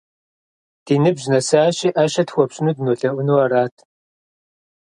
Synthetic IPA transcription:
d̥iːnɨbʑnɐsaːɕiːʔaːʃɐtxʷɔpɕʼɪnuːdnoːɬɐʔʷʊnuwɐɾaːtʰ

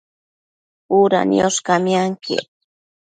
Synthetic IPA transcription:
uɾa̰njoskamjaŋkʰɪ̰

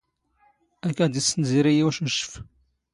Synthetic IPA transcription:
ækːæd̪isənziɾijiwæʃəʃːə̥f

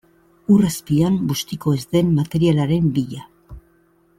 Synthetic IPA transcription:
uraspiambust̪iko̞ezd̪e̞mːat̪e̞ɾialaɾe̞mbiʎa

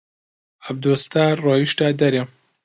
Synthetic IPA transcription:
ɐbd̪oːst̪aːroːjiʃt̪aːd̪ɐɾe

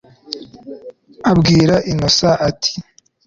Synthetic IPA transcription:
abɡiːɾaʔinosaʔatʰi̥

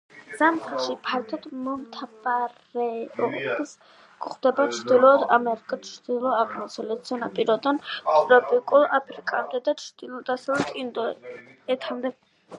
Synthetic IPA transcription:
z̥amχaʃipʰaɾt̪ʰɔd̪mɔmt̪ʰabaɾɛɔʁbis | kʼχd̪ɛbat͡ʃʰd̪ilˠɔd̪amɛɾikʼat͡ʃʰd̪ilˠɔaʁmɔsʰɔlɛt̪sʰɔnapʼiɾɔd̪ɔnt̪ʼɾɔpʼikʼulapʰɾikʼamd̪ɛd̪at͡ʃʰd̪̥ilˠɔd̪asɔlɔt̪ʼind̪ɔɛt̪ʰamd̪ɛ

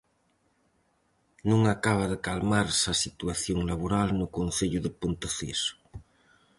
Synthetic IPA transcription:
nũŋakaβ̞aðekalmaɾsasit̪uaθjoŋlaβoɾalnukonθeʎuðepont̪oθeso̥

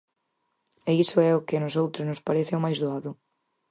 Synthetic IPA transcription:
eisʊɛʊkɪnʊsowt̪ɾʊznʊspaɾɛθɪʊmajzðoaðʊ

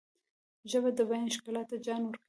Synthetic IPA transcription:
ʒəbad̪əbɑjnʃkɑlɑt̪ad͡ʒɑnwəɾk

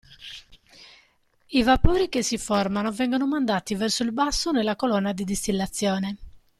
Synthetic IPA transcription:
ivapoːɾikesːiformanovɛŋɡonomand̪aːt̪ivɛrsoilbasːonelːakolɔnːad̪id̪ist̪ilːat̪sːjɔːne

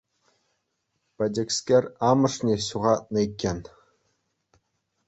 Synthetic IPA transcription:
pɘ̆dʲĕksʲkʲerʲɑmɤ̆ʂnʲeɕuʁɑt̪̚nɤ̆ikʲːenʲ

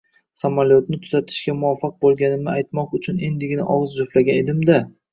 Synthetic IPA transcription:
samaljot̪nɪt̪ʰʊzat̪ʰɪ̥ʃkʲamʊafɑq̚bolˠɡʲanɪnɪajt̪mɒqʊt͡ʃʰʊnend̪ɪɡʲɪnɪʔɒʁzd͡ʒʊflaɡʲaned̪ɪmd̪a

